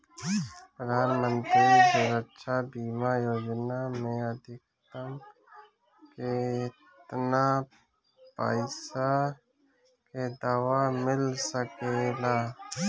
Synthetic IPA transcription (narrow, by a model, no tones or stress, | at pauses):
pɾəd̪ʱaːnmə̃nt̪ɾid̪uɾəkʃabiːmajoːd͡ʒnamẽəd̪ʱɪk | t̪əm | keɪ | t̪na | pa̰ːɪsa | ked̪aːwamɪlsəkeːlaː